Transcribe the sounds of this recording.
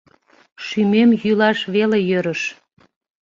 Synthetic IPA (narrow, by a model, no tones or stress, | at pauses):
ʃymemjylɑʃβelejøɾəʃ